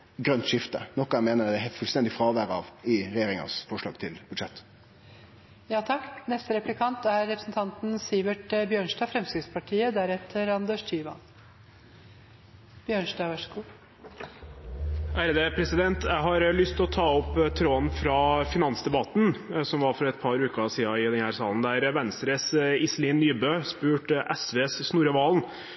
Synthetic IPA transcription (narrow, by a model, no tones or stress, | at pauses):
ɡɾœnt̪ʂɪft̪ə̰nɔkːɑæmeːnəɾd̪ɛfʉlst̪ɛnd̪ɪfɾɑːʋæːɾɑ̰ʋɪɾɛjeːɾɪŋɑ̰sfɔʂɭɑ̰ːɡ̥t̪ʰɪlb̥ʉd̪ʂɛt̪ː | jɑːt̪ʰɑkːnɛst̪əɾɛplɪkʰɑnt̪æɾːɛpɾəsn̩t̪ʰɑnt̪n̩siːʋəʈbjøːɳʂdɑːfɾɛmsɪd̪spʰɑʈʰiːəd̪æɾɛt̪ʰːəɾɑnd̪øːʂt̪ʰyːʋɑ̰n | b̥jøːɳʂdɑːʋɑʂəɡuː | æɾd̪epʰɾɛsɪd̪ɛnt̪ʰjæɪɦɑɾlʏst̪ɔt̪ʰɑːɔpːt̪ʰɾoːnfɾɑfɪnɑnsd̪ɛbɑt̪nsɔmʋɑɾfɔɾɛt̪̚pʰɑɾʉːkəɑsiːɑɪd̪ɛnhæːɾsɑːlənd̪æɾʋɛnst̪ɾəsɪsliːnːyːbøːspʉːʈʔɛsʋeːssnuːɾəʋɑːln